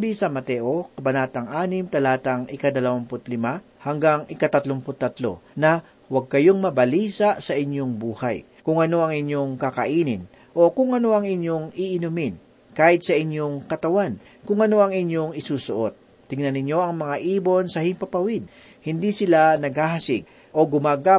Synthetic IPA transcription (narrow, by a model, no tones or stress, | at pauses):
bisɐmɐt̪ɛʔokɐbɐnaːt̪ɐŋʔaːnɪmt̪ɐlaːt̪ɐŋʔɪkɐd̪ɐlɐwampʊt̪̚lɪma | hɐŋɡaŋʔɪkɐt̪ɐt̪lompʊt̪ːɐt̪lo̞̰nɐ | wɐɡ̚kɐjoŋmɐbɐliːsaʔsɐʔɪɲjo̞ŋbuːha̰j | kʊŋʔɐno̞ʔɐŋɪɲjo̞ŋkɐkɐʔiːnɪn | ʔo̞kʊŋɐno̞ʔɐŋɪɲjo̞ŋɪʔɪnumɪn | kaːhɪt̪̚sɐʔɪɲjo̞ŋkɐt̪ɐwan | kʊŋɐno̞ɐŋɪɲjo̞ŋɪsuːsʊʔo̞t̪̚ːɪŋnɐnɪɲjo̞ʔɐŋmɐŋaʔiːbo̞nsɐhɪŋpɐpɐwɪd̪̚ | hɪnd̪isɪlanɐɡhaːɦɐsɪɡ̚ | ʔo̞ɡʊmaːɡa